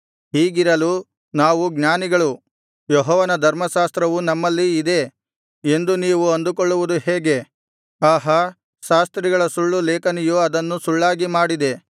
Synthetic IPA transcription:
ɦiːɡiɾɐlu | naːʋuɡɲaːniɡɐɭu | jɔɦɔːʋɐnɐd̪ʱɐɾmɐʃaːst̪ɾɐʋunɐmːɐlːiːd̪e̞ | e̞nd̪uniːʋuɐnd̪ukoɭːuʋud̪uheːɡe̞ | aːɦɐ | ʃaːst̪ɾiɡɐɭɐsuɭːulɛːkɐnijuɐd̪ɐnːusuɭːaːɡimaːɽid̪e̞

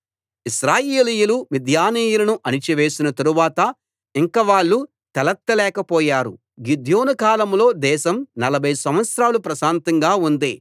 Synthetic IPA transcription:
iʃɾaːjeːlijulumid̪ʱjaːniːjulɐnuʔɐnit͡ʃiʋe̞ːsinɐt̪ɐɾuʋaːt̪ɐ | iŋkɐʋaːɭːu | t̪ɛlɐt̪ːɐlɛːkɐpɔːjaːɾṵ | ɡid̪ʱjo̞ːnɐkaːlɐmlo̞ːd̪ɛːʃɐmnɐlɐbʱɐjsɐ̃mʋɐt̪sɾaːlupɾɐʃaːnt̪ɐŋɡaːund̪eː

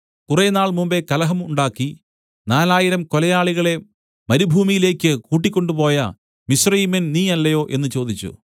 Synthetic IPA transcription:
kurenaːɭmumbe̞kɐlɐɦɐmuɳɖaːkːi | naːlaːjiɾɐmko̞lɐjaːɭiɣɐɭe̞ | mɐɾubʱuːmijile̞ːkʲːɨkuːʈ̬ːikʲːo̞ɳɖupo̞ːjɐ̰ | misrɐjimɐnniːɐlːɐjo̞ːʔe̞nːɨt͡ɕo̞ːd̪it͡ɕːṵ

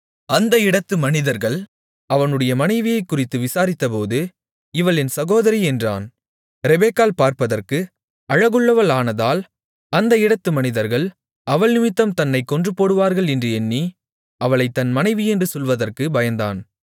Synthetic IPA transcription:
ɐnd̪ɐɪɽɐt̪ːɯmɐnɪðɐɾɣɐɭ | ɐʋɐnɯɽɐjɐmɐnɐɪʋɪjɐɪkːʊrɪt̪ːɯʋɪsaːɾɪt̪ːɐpoːðɯ | ɪʋɐɭɛnsɐɣoːðɐɾiɛndra̰ːn | ɾɛbeːkaːlpaːɾpɐðɐrkɯ | ɐɻɐɣɯɭːɐʋɐɭaːnɐðaːl | ɐnd̪ɐɪɽɐt̪ːɯmɐnɪðɐɾɣɐɭ | ɐʋɐɭnɪmɪt̪ːɐmt̪ɐnːɐɪkːɔndrɯpoːɽɯʋaːɾɣɐɭɛndrɯɛnːi | ɐʋɐɭɐɪt̪ːɐnmɐnɐɪʋiɛndrɯsɔlʋɐðɐrkɯbɐjɐnd̪a̰ːn

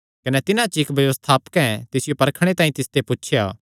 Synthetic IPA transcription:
kɐnɛt̪ɪnãt͡ʃɪkbjɐʋəst̪ʰaːpə̥kɛ̃t̪ɪsɪjopɐɾkʰɽ̃et̪aːĩt̪ɪst̪epuːt͡ʃʰjaː

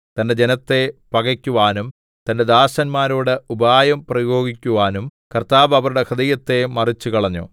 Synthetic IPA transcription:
t̪ɐnde̞d͡ʑe̞nɐt̪ːe̞pɐɣɐkʲːuʋaːnum | t̪ɐnde̞d̪aːɕɐnmaːɾoːɽɨubaːjɐmprɐjo̞ːɡikʲːuʋaːnumkɐrt̪aːbɐʋɐɾuɽe̞kʰɐd̪ɐjɐt̪ːe̞mɐrit͡ɕːukɐɭɐɲːo̰ː

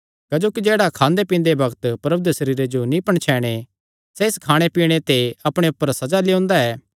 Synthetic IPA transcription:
kɐd͡ʒoːkid͡ʒeːɽakʰãːnd̪epĩːnd̪ebɐɡt̪pɾɐbd̪sɐɾiːɾed͡ʒonĩpɐɽ̃t͡ʃʰɛːɽ̃e | sɛɪskʰaːɽ̃epiːɽ̃et̪eɐpɽ̃eʊpːəɾsɐd͡ʒaleõːnd̪aɛː

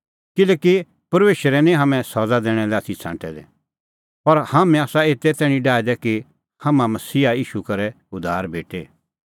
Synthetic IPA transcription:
kɪleːki | pɐɾmeːʃəɾɛnĩɦɐmɛ̃sɔd͡zad̪ɛːɽ̃ɛlɛat̪ʰit͡sʰã̰ːʈɛd̪ɛ̰̃ | pɐɾhamɛ̃aːsaeːt̪ɛt̪ɛːɽ̃ĩɖaːɛd̪ɛki | hɐmãmɐsiːaiːʃukɐɾɛ | ʊd̪ʱaːɾbʱeːʈe

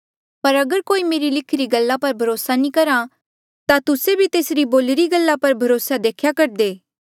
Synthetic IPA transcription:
pɐɾɐɡəɾkoːimeːɾilɪkʰɾiɡɐlːapɐɾbʱɐɾoːsanĩkɐɾa | t̪at̪ʊsebʱit̪eːsɾiboːlɾiɡɐlːapɐɾbʱɐɾoːsad̪eːkʰjakɐɾd̪eː

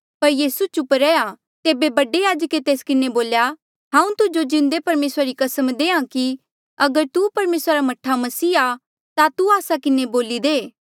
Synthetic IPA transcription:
pɐɾjiːsut͡ʃʊpɾɛːa | t̪eːbebɐɖejaːd͡ʒəket̪eːskɪneboːlja | ɦãːũt̪ʊd͡ʒod͡ʒɪ̃nd̪epɐɾmeːsɾaɾikɐsəmd̪eːãki | ɐɡəɾt̪upɐɾmeːsɾaɾamɐʈʰamɐsiːa | t̪at̪uaːsakɪneboːlid̪eː

